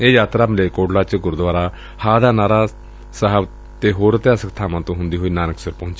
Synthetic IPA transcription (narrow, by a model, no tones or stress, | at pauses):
eːjaːt̪ɾaːmɪleːkoːɖlaːt͡ʃɡʊɾd̪ʊaːɾaː | haːd̪aːnaːɾaː | səɦəb | t̪eːɦoːɾət̪ejaːsəkt̪ʰaːmãːt̪õːɦʊ̃nd̪iːɦoːiːnaːnəksəɾpɔ̃ːɲt͡ʃː